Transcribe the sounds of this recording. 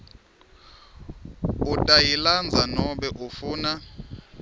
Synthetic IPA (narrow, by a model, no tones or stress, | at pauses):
utʼajiland͡zʱanɔɓɛʔufuːna